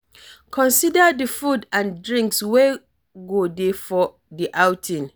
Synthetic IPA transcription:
kʰɔ̃nsidadəfudãndɹĩŋkswe | ɡodefɔ | diʔawtʰĩn

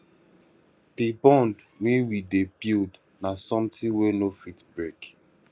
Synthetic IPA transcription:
dibɔ̃nd | wĩwidebild | nasɔ̃mtĩwenofitbɹek

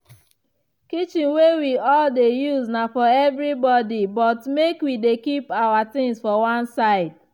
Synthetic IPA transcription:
kit͡ʃɪ̃nwewiɔldejuznafɔɛvɾibɔdibɔtmekwidekipawat̪ɪ̃ŋsfɔwãnsaɪd̚

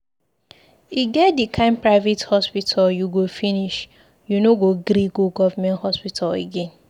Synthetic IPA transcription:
iɡɛt̚dikʰãɪ̃npɹaɪvethɔspitʰaljuɡofiniʃ | junoɡoɡɾiɡoɡɔvamɛ̃nthɔspitʰalḛɡẽn

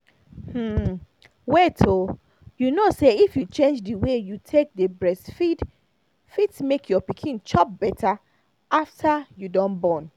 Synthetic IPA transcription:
hm̩ | wɛtʰo | junoseifjut͡ʃẽnd͡ʒdəwejutʰek̚dəbɹɛsfid | fitsmekʰjɔpikʰĩnt͡ʃɔp̚bɛtʰa | aftʰajudɔ̃nbɔ̃n

